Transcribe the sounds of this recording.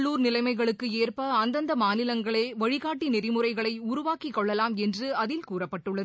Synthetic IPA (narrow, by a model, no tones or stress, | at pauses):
ɭːuːɾnɪlɐɪmɐɪɣɐɭɯkːɯeːrpɐɐnd̪ɐnd̪ɐmaːnɪlɐŋɡɐɭeːʋɐɻɪɣaːʈːinɪrɪmɯrɐɪɣɐɭɐɪʊɾʊʋaːkikːɔɭːɐlaːmɛndrɯɐðɪlkuːrɐpːɐʈːɯɭːɐðɯ